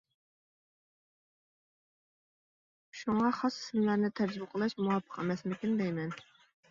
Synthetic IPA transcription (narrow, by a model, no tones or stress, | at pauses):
ʃuŋɑχɑsɪ̥sɪmlˠæɾnɪt̪ʰæɾd͡ʒbʊqʰəlˠɨʃmuwɑpʰːə̥qɛmɛsmɪkʲind̪ɛjmɛn